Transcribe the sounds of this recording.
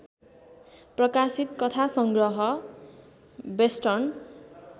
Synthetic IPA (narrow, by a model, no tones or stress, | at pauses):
prʌkasit̪kʌt̪ʰasʌŋɡrʌɦʌ | besʈʌrn